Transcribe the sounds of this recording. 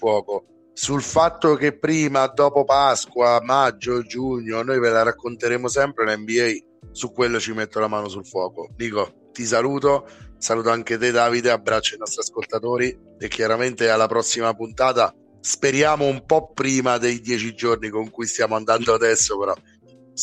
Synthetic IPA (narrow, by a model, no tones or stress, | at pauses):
fwɔːko | sulfat̪ːokepːɾiːmad̪ɔːpopaskwamad͡ʒːod͡ʒːuɲːonojvelaɾakːont̪eɾeːmosɛmpɾelɛmbiɛj | sukːwelːot͡ʃimet̪ːolamaːnosulfwɔːkod̪iːko | t̪isaluːt̪osaluːt̪̬oaŋket̪ed̪aːvid̪eabːɾat͡ʃːoinɔst̪ɾiaskolt̪at̪oːɾi | ekːjaɾament̪ealːapɾɔsːimapunt̪aːt̪a | speɾjaːmoumpɔpːɾiːmad̪ejd̪jɛːt͡ʃid͡ʒornikoŋkujst̪jaːmoand̪and̪oad̪ɛsːopeɾɔ